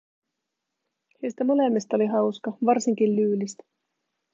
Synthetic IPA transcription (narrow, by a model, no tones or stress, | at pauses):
hejst̪æmo̞le̞mːist̪o̞liɦɑwskɑʋɑrsiŋkillyːlist̪æ̥